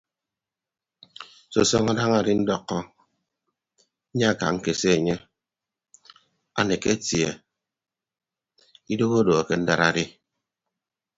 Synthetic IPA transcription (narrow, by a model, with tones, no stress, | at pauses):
so̰˨sɔ˦ŋa˦da˦ŋa˨ɾi˦n̩˦dɔ˦kːɔ˦ | ɲa˦a˦˨ka̰˨ŋ̩˦ke˨se˦e˨ɲe˦ | a̰˨ne˨ke˦tjḛ˨ | i˦do˦ɣo˦do˨a˨ke˦n̩˦da˨ɾa˨ɾi˦